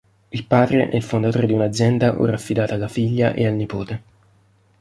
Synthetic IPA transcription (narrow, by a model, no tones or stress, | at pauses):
ilpaːd̪ɾeʔɛilfond̪at̪oːɾed̪iunad̪zːjɛnd̪aʔo̰rafːid̪aːt̪aːlːafiʎːaʔḛalnipoːt̪e